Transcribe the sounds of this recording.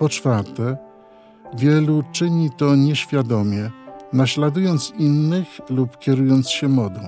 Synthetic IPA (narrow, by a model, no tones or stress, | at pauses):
pɔt͡ʂfaɾt̪ɛ | vʲjɛlut͡ʂɘɲit̪ɔɲɛɕfʲjad̪ɔmʲjɛnaɕlad̪ujɔnt̪sinːɘxlupkʲɛɾujɔnt̪sɕɛmɔd̪ɔ̃w̃